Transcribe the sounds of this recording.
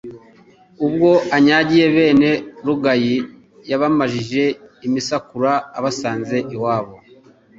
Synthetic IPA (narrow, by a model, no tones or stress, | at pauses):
ub̚ɡo̞aɲaːɟije̞βe̞ːne̞ɾuɡaji | jaβamaʒiʒe̞imisakuɾaːβasaːnze̞ʔiwaːβo̞